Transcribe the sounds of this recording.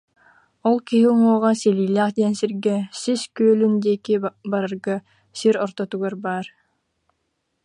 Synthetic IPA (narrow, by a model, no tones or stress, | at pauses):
ɔlˠkiɦiŋuɔʁasɛliːlæːχd̪iɛnsiɾɡɛsiskyːlynd̪iːkibaɾaɾɡa | siɾɔɾt̪ɔt̪uɡaɾbaːɾ